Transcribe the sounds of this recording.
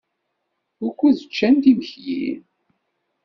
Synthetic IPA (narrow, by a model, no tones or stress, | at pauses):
ʊɾkʷːuðət͡ʃːænt̪iməçjḭn